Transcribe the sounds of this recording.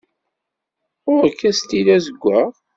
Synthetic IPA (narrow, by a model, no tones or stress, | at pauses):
ʊɾəkːæst̪ilæzəɡʷːəʁ